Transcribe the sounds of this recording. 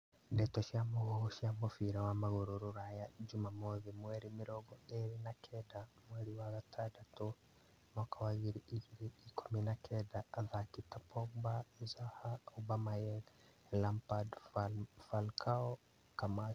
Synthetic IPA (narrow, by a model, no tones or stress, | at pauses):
ndetɔʃamoɣoʃjamofiɾawamaɣoɾoɾoɾajad͡ʒumamoðimweɾimiɾɔɡɔeɾinakʰɛdamweɾiwaɣatʰadato | makawaɣiɾiʔiɣiɾiikʰuminakʰɛdaːðakitapʰoɡbaizahaubamajɛɣ | lampad | falkʰao | kama